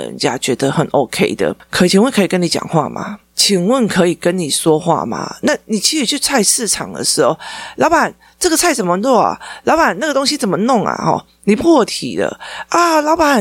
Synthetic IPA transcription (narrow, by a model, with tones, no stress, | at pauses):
ə̰˧˥nt͡ɕja̰˦˥t͡ɕɥɛ˧˥d̪ə˧xə˨˩nʔo˧˥ʊkʰe˥ɪd̪ə̰˨kʰə˧˨˩t͡ɕʰi˨ŋwə˥˨nkʰɤ˧˥i˨˩kə˥ni˧˥t͡ɕjɑ̰˨˩ŋxwa̰˥˧ma̰˨˩ | t͡ɕʰi˨˩ŋwə˥˩nkʰɤ˧˥i˨˩kə˦nni˨˩ʂwɔ˥xwa̰˥˩ma̰˨˩na˥˩ni˨˩t͡ɕʰi˧˥ʂ̩˨˩t͡ɕʰy˥˧t͡sʰa˥˧ɪʂɹ̩˥˩ʈ͡ʂʰɑ˨˩ŋd̪ə̰˧˩ʂɻ̩˧˥xo˥˩ʊlɑ˧˥ʊpa˨˩n | ʈ͡ʂə˥˩ɡə˩t͡sʰa˥˩ɪt͡sə˨˩nmə˦t͡swɔ˥˩a̰˨˩lɑ˧˥ʊpa˨˩na˥˩ɡə˩t̪o˥ŋɕi˦t͡sə˨˩nmə˦nɔ˥˩ŋa̰˩xɔ̰˥˩ | ni˨˩pʰu˥wɔ˨˩t̪ʰḭ˨˩d̪ə̰˦ʔa˧lɑ˧˥ʊpa˨˩